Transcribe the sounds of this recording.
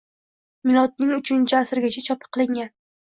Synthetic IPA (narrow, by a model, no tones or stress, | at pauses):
mɪlˠɒt̪̚nɪŋʊt͡ʃʰɪnt͡ʃʰɪasɪɾɡʲat͡ʃʰat͡ʃʰɒpʰɨ̥qʰːɨlˠɪŋan